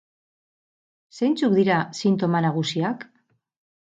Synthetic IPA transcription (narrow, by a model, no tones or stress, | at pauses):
se̞jnt͡suk̚d̪iɾasint̪o̞manaɣ̞usiak